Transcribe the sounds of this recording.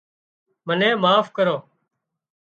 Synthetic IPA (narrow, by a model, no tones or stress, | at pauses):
mənẽːmaːfkəɾoː